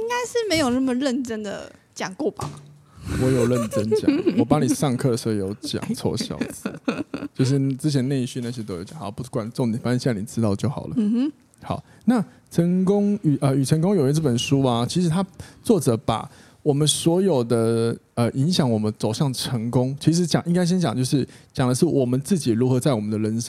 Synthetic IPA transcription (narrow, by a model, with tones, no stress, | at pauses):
i˦˥ŋka˥ɪʂɻ̩˥˩me˧˥ɪjo˨˩ʊna˥˩mə˨˩ɻə˥˩nʈ͡ʂə˦nd̪ə̰˨t͡ɕjɑ˨˩ŋkwɔ˥˩ba̰˨˩ | wɔ˧˥jo˨˩ʊɻə˥˩nʈ͡ʂə˦nt͡ɕjɑ̰˨˦wɔ˨˩pa˧˦ni˨˩ʂɑ˥˧ŋkʰɤ˥˩d̪ə˩ʂ̩˧˥o˥˩jo˧˥ʊt͡ɕjɑ̰˨ŋt͡sʰɔ̰˥˧ɕjɑ̰˥˩ʊt͡st͡ɕjo˥˧ʊʂ̬ɻ̩˥˩˨t͡sɻ̩˥t͡ɕʰjɛ˧˦ne˥˧ɪɕy˥˧na˥˩ɕ̬jt̪o˥ʊo˨˧˩t͡ɕjɑ˨xpu˥˩kwa˨˦nt͡so˥˩ŋni˨˩fa˥˩ə˥˧˩ni˨˩ʈ͡ʂɻ̩˥t̪ɑ˥˧ʊt͡ɕjo˥˩ʊxɑ˨˩lʔə˦˧ | xɑ˨˩˦ʊ | na˥˨ | ʈ͡ʂʰə˧˥ŋkʊ˥ŋy˨˩ʔə˧y˨˩ʈ͡ʂʰə˧˥ŋkʊ˥ŋjo˨˩ʊɛ˧˥t͡sɤ˥˩pə˨˩nʂu˦a˨t͡ɕʰi˧˥ʂɻ̩˧˥t̪ʰa˥t͡swɔ˥˩ʈ͡ʂɤ˨˩˦pa̰˨˩˦ | wɔ˨˩mə˦nswɔ˧˥jo˨˩ʊd̪ə˨ | ə˧˨ʔi˧˥ŋɕjɑ˨˩˦ŋwɔ˨˩mə˦nt͡so˨˩ʊɕjɑ˥˩ŋʈ͡ʂʰə˧˥ŋkʊ˦ŋt͡ɕʰi˧˥ʂ̬ɻ̩˧˥t͡ɕjɑ˨˩ŋʔi˥ŋka˥ɪɕ̬ɛ˥nt͡ɕjɑ˨˩ŋt͡ɕjo˥˧ʊʂɻ̩˥˩t͡ɕjɑ˨˩ŋd̪ə˦ʂ̬ɻ̩˥˩wɔ˨˩mə˦nt͡sɹ̩˥˩t͡ɕi˨˩ɻu˧˥xɤ˧˦t͡sa˥˩ɪwɔ˨˩mə˨˦nd̪ə˧ɻə˧˦nʂ